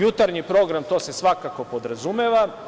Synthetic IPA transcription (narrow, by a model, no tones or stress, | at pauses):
jut̪aɾɲipɾo̞ɡɾamt̪ose̞sʋakako̞po̞d̪ɾazumeʋa